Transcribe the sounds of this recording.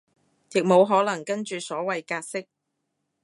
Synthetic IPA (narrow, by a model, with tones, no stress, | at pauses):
jɪ˨k̚mo˨˧wɦɔː˨˥lɐ˨˩ŋkɐ˥nt͡ʃyː˨sɔː˨˥wɐ˨jkaː˧t̚sɪ˥k̚